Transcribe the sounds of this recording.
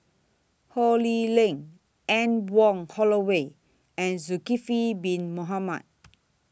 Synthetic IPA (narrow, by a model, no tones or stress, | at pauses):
holilẽŋ | ɛ̃nwɔ̃ŋhɔlowe | ɛ̃nzukifibĩnmoɦamat̚